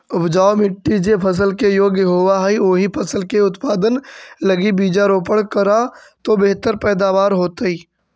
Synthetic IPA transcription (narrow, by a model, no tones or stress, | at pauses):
ʊpʰd͡ʒaːomɪʈːid͡ʒepʰəs̬əlkejoːɡjəɦoːʋaɦioːɦipʰəsəlkeʊt̪paːd̪ənləɡibiːd͡ʒaɾoːpəɽkəɾat̪obeɦt̪əɾpɛːd̪aːʋaːɾɦoːt̪əiː